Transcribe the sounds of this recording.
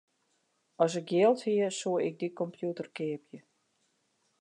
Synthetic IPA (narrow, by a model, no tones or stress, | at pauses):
ɔs̬ɪk̚ɡjɪəlˠthiəsuəɪk̚dikɔmpjutərkɪːpjə